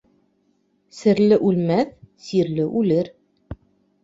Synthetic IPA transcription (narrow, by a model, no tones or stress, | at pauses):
sɘ̆ɾlɘʔʉlmæθsiɾlɘʔʉlɘɾ